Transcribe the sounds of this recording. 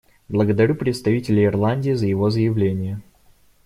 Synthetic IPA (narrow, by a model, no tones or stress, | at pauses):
blˠəɡəd̪ɐɾʲupɾʲɪt̪st̪ɐvʲitʲɪlʲɪɪrlˠanʲdʲiːzəjɪvo̞zəjɪvlʲenʲɪjə